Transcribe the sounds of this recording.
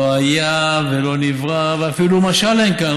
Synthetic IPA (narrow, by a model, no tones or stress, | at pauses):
ajavelo̞nivʁaveafilumaʃalenkan